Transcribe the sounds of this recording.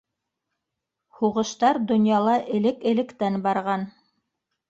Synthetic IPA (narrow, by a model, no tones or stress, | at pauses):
huʁɤ̆ʃt̪ɑɾd̪ŏnjɑlˠɑʔɘ̆lɘkɘ̆lɘ̆kt̪ænbɑɾʁɑn